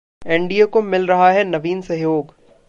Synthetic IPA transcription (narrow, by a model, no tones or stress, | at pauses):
ẽɳɖijakomɪlɾɐɦaɦɛnɐʋiːnsɐɦijoːɡ